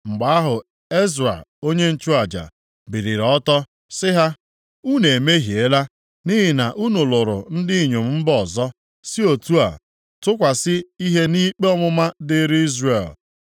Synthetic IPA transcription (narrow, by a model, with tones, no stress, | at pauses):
ŋ͡m̩˨ɡ͡ba˨a˦ɦʊ˨ | e˦zɾa̰˨o˦ɲe˦n̩˦t͡ʃu˦a˨d͡ʒa̰˨ | bi˨ɾi˨ɾɔ˦tɔ˦ | sɪ˦ɦa˦ | u˦ne˨me˦ɦi˨e˦la˦ | ni˦ɦɪ˨na˨ʔu˦nʊ˨lʊ˨ɾʊ̰˨n̩˦dɪ˦i˨ɲo˨m̩˦m̩˦bɔ˨zɔ˦ | sɪ˦o˨tu˦a̰˨ | tʊ˦kʷa˨sɪ˦i˦ɦe˦ni˦k͡pe˦ɔ˦mʊ˦ma˦dɪ˦ɾi˦zre˨l